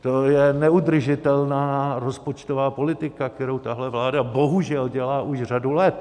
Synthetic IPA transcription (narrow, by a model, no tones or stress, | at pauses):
t̪ojɛnɛud̪r̩ʒɪt̪ɛlnaːɾo̞spot͡ʃt̪ovaːpo̞lɪt̪ɪkak̚t̪ɛɾowt̪aɦlɛvlaːdabo̞ɦuʒɛlɟɛlaːʔuʒr̝adulɛt̪